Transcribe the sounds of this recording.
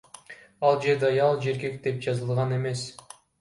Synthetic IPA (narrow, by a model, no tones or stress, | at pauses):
ɑlˠd͡ʒe̞ɾd̪eɑjɑlˠd͡ʒeɾɡe̞kd̪e̞p̚d͡ʒɑzɯlˠʁɑne̞me̞s